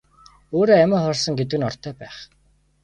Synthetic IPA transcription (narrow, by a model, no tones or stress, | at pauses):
oːɾoːæmə̆χɔrsə̆ŋɡet̪̬ɘ̆ɣɘ̆nɔr̥t̪ʰœːpæːχ